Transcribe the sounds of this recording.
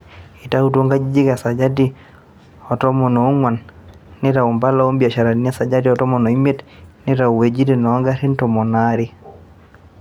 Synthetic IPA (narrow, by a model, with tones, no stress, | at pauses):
i˨ta˦u˦t̬o˦ŋɡa˦d͡ʒi˦d͡ʒi˦ka˨sa˨d͡ʒa˦di | ɔ˨tɔ˦mɔ˨nɔ˨u˦ŋwa˨nːɪ˦ɾa˨u˨mba˦la˦o˦mbi˨a˨ʃa˨ɾa˨ni˦a˦sa˨d͡ʒa˦di˦ɔ˨tɔ˦mɔ˨nɔ˨i˦me˦tniɾa˨u˨we˨d͡ʒi˦di˨nɔ˨a˦ŋɡa˦ɾi˦ntɔ˨mɔ˨naɾi˦